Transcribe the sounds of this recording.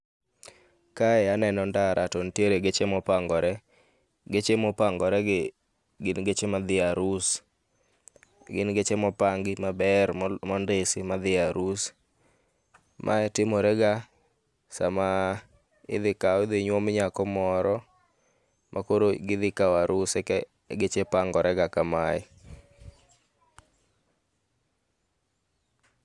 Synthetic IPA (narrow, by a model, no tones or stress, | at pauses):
kaɛanɛnɔndaɾʔatɔntjeɾeɡet͡ʃemɔpaŋɡɔɾɛ | ɡet͡ʃemɔpaŋɡɔɾɛɡ | ɡɪnɡet͡ʃemad̪ɪaɾus | ɡɪnɡet͡ʃemɔpaŋɡɪmabɛrmɔndesɪmaðɪaɾus | mʔa̰ɛtɪmɔɾɛɡa | sa̰ma | ɪ̰ðɪkaɔɪðoɲwɔmɲakɔmɔɾɔ | mʔakoɾoɡɪðɪkawaɾusɛkɛ | ɡet͡ʃepaŋɡɔɾʔɛɡakamaɛ